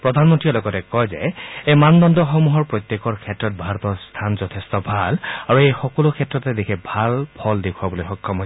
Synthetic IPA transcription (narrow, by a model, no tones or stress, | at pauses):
pɹɔd̪ʱanmɔntɹiɔlɔɡɔtɛkɔjzɛ̰ejmandɔndɔxɔmuɦɔɹpɹojt̪jekɔɹkʰɛtɹɔt̚bʱaɹɔtɔst̪ʰanzɔtʰestɔbʱalaɹuejxɔkɔlʊkʰɛtɹɔtɛdekʰɛbʱalpʰɔldekʰuabolojxɔkʰːɔmɦɔ